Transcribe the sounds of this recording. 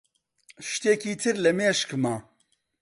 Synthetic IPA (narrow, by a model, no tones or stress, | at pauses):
ʃt̪eːkiːt̪ʰɨɾlɐmeːʃkmaː